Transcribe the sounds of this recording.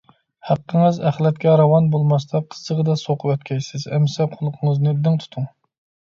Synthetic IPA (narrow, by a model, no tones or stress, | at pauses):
hæqːəŋɨzæχlˠɛt̪̚kʲɛɾɑwɑnbolˠmɑst̪ɑqʰə̥sːəʁəd̪ɑsoqʰʊvøt̪kʲʰɛjsɪzɛmːsɛqʰolˠqʰəŋəznɨd̪ɪŋt̪ʰu̥t̪ʰuŋ